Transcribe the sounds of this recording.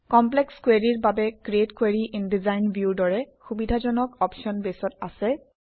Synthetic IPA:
kɔmplɛkskweɹiɹbabɛkɹietkweɹiʔindizajnbʱjudɔɹɛxubidʱazɔnɔkɔpʃiɔnbesɔtasɛ

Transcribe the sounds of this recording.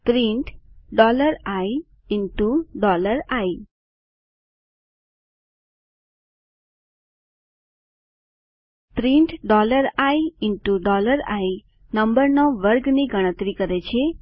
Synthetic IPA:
pɾĩɳʈɖɔləɾai | ɪɳʈuɖɔləɾai | pɾiɳʈɖɔləɾaiɪɳʈuɖɔləɾai | nəmbəɾnɔʋəɾɡniɡəɽ̃ə̃t̪ɾikəɾet͡ʃʰe

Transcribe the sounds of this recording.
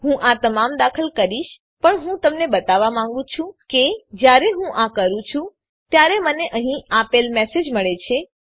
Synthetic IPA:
ɦũʔat̪əmamd̪akʰəlkəɾiʃ | pəɳɦũt̪əmnebət̪aʋamãŋɡũt͡ʃʰũked͡ʒjaɾeɦũʔakəɾũt͡ʃʰũ | t̪jaɾeməneʔəɦĩʔapelmesed͡ʒməɭet͡ʃʰe

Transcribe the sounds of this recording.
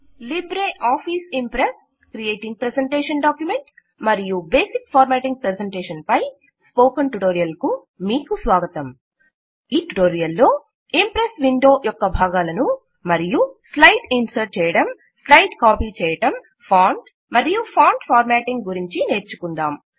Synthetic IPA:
libɾeːʔaːpʰiːsimpɾes | kɾijeːʈiŋɡ̚pɾeseɳʈeːʂɐnɖaːkjume̞ɳʈ | mɐɾijubeːsikpʰaːɾmaːʈiŋɡ̚pɾeseɳʈeːʃɐnpɐj | spoːkɐnʈuʈoːɾijɐlku | miːkusʋaːɡɐt̪ɐm | iːʈuʈoːɾijɐlːo̞ː | impɾesʋiɳɖo̞ːjɔkːɐbʱaːɡaːlɐnu | mɐɾijuslɐjʈinsɐɾt͡ʃɛːjɐɽɐm | slɐjʈkaːpiːt͡ʃɛːjɐʈɐm | pʰaːɳɖ | mɐɾijupʰaːɳʈpʰaːɾmaːʈiŋɡɡuɾiɲt͡ʃine̞ːɾt͡ʃukund̪aːm

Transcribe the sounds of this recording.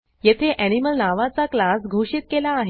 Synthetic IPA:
jet̪ʰeʔæniməlnaʋat͡saklasɡʱuɕiːt̪̚kelaːɦ

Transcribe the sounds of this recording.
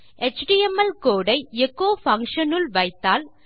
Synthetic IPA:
ʔɛt͡ʃɖiɛmɐlkoːɽɐɪɛkːoːfɐŋkʂɐnɯlʋɐɪt̪ːaːl

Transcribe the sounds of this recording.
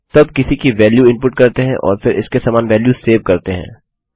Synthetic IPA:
t̪ɐb̚kɪsikiʋɛːljuɪ̃mpʊʈ̚kɐɾt̪eɦɛ̰̃ʔɔ̰ːɾfʰɪɾɪskesaːmaːnʋɛːljuseːʋkɐɾt̪eɦɛ̰̃ː

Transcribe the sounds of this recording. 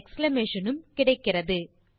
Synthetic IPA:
kslɐmeːʂɐnɯmkɪɽɐɪkːɪrɐðɯ

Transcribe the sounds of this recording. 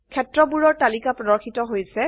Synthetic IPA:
kʰɛtɹɔbuɹɔɹtalikapɹɔdɔɹkʰitɔɦojsɛ

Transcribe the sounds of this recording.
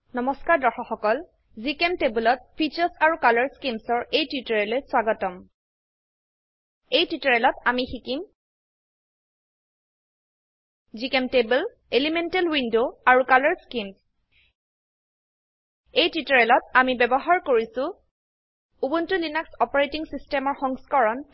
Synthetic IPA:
nɔmɔskaɹdɔxɔxɔkɔl | zikemtebulɔt̚pʰit͡ʃɔsaɹukalɔɹskimsɔɹejtitɔɹɛlojswaɡɔtɔm | ejtitɔɹɛlɔtamixikim | zikemtebul | elimentɛlwindoaɹukalɔɹskims | ejtitɔɹɛlɔtamibɛbɔɦaɹkoɹisʊ̃ | ubuntulinaksɔpɔɹetiŋsistɛmɔɹxɔŋskɔɹɔn

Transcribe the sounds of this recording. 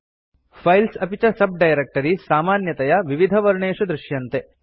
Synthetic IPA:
pʰɐjlsɐpit͡ʃɐsɐb̚ɖɐjɾek̚ʈɐɾisaːmaːnjɐt̪ɐjɐʋiʋid̪ʱɐʋɐɾɳeːʂud̪ɾɪʃjɐnt̪e

